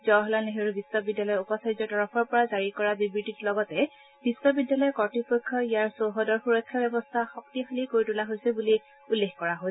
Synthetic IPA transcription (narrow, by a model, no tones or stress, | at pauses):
zɔɦɔlaneɦeɹbisɔbidːalɔjupɔsajzɔtɔɹɔpʰɔɹpɔɹazaɹikɔɹabibɹititlɔɡɔtɛ | b̥isɔbidːalɔjɛkɔɹtipokʰːɔijaɹsoɦɔdɔɹxuɹɔkʰːjabɛbɔstʰaxɔktixalikoɹitulaɦojsɛbuli | ulːexkɔɹaɦoj